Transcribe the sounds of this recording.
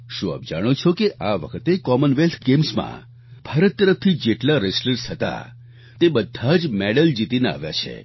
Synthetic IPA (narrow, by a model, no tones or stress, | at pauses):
ʃũa̰p̚d͡ʒaɽ̃ot͡ʃʰokeʔaʋə̰kʰət̪ekɔmənʋelt̪ʰɡemsmã̰ | b̥ʱaɾət̪ːəɾəft̪ʰid͡ʒeʈlaɾesləɾsɦət̪a̰ | t̪ebəd̪ʱːad͡ʒmeɽəld͡ʒit̪inea̰ʋja̰t͡ʃʰḛ